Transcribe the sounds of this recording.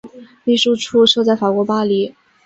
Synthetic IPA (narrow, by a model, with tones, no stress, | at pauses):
li˥˧ʂu˥˧ʈ͡ʂʰu˥˧ʂo˥˧t͡sa˥˩ɪfa˨˩kwɔ˧˥pa˥li˨˩˦